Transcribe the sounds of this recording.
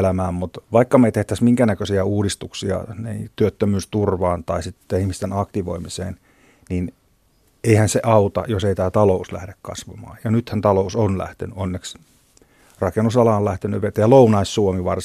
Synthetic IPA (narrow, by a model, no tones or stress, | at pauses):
læmæːmmut̪ʋɑikːɑmeit̪eht̪æsmiŋkænækøsiæuːdist̪uksiɑ̰nḛit̪yøt̪ːømyːst̪urʋɑːnt̪ɑisit̪ːeihmist̪enɑkt̪iʋo̰imisḛːn | nin | eihænseʔɑut̪ɑ̰joseit̪æːt̪ɑlouslæ̰hdekkɑ̰sʋɑ̰mɑ̰ːjjɑnyt̪hænt̪ɑlousonlæ̰ht̪ḛnyonːeks | rɑkenusɑlɑːolæht̪enyʋet̪jɑlounɑissuomiʋɑr